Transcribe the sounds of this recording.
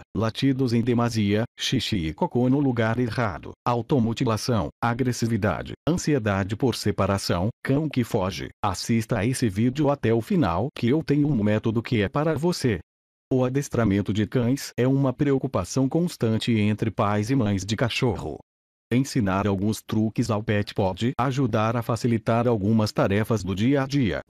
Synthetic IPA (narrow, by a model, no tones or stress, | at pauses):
lat͡ʃid̪ʊzẽj̃d̪emaziɐʃiʃiɪkokonʊluɡaɾeʁa̰d̪ʊ̰awt̪omot͡ʃilasɐ̃w̃aɡɾesivid̪a̰d͡ʒɪ̰ɐ̃sied̪ad͡ʒɪpoɾsepaɾasɐ̰̃w̃kɐ̃w̃kɪfɔʒɪ̰a̰sist̪ɐesɪvid͡ʒɪʊat̪ɛʊfina̰wkɪewt̪ẽɲʊmʊmɛt̪od̪ʊkɪɛpaɾɐvose | ʊad̪est̪ɾamẽnt̪ʊd͡ʒɪkɐ̃j̃sɛũmɐpɾeokupasɐ̃w̃kõst̪ɐ̃nt͡ʃɪẽnt̪ɾɪpajzɪmɐ̃j̃zd͡ʒɪkaʃohʊ̰ | ẽsinaɾawɡũst̪ɾukɪzawpɛt͡ʃɪ̥pɔd͡ʒɪaʒud̪aɾɐfasilit̪aɾawɡũmɐst̪aɾɛfɐzd̪ʊd͡ʒiɐad͡ʒiɐ̰